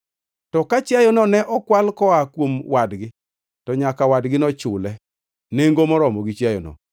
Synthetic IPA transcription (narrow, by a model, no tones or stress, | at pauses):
tɔkat͡ʃjajɔnɔnɛʔɔkwalkɔakwomwadɡɪ | tɔɲakawadɡɪnɔt͡ʃʊlɛ | neŋɡomɔɾɔmɔɡit͡ʃjajɔ̰nɔ̰